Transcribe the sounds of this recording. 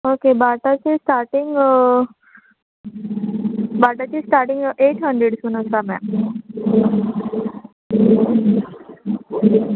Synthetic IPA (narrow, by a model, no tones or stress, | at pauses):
okebaːʈat͡ɕesʈaːɾʈiŋɡ | baʈat͡ɕesʈaːɾʈĩŋɡʔeːʈɦəɳɖɾeɖsunəsamɛ̰̃